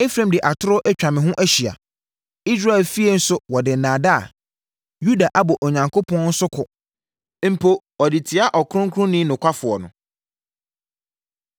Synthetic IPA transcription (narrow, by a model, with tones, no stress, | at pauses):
e˦fɾẽ˨mdɪ˨ʔa˨tʰʊ˦ɾʊ˦ʔɛ˦t͡ɕᶣã˨mɪ̃˨ɦʊ̃˦ʔæ˦ɕi˨a̰˨ | i˦s̬ɾa˦ɛ˨lfi˦e˦n̩˦sʊ˦wɔ˨dɪ˨nãː˨da˦a̰˨ | ju˦da˨ʔa˦bɔ˨ʔo˨ɲã˨ŋkʰo˦pʰɔ̃˦n̩˦sʊ˦kʰʊ˨ | m̩˨pʰo˦ | ɔ˨dɪ˨tʰɪ˨a˦ʔɔ˨kʊ˦ʊ̃˦ŋ˦kʰʊ˦ʊ̃˦nĩ˦nʊ̃˨kʰʷa˦fʊ˨ɔ˨nʊ̃˨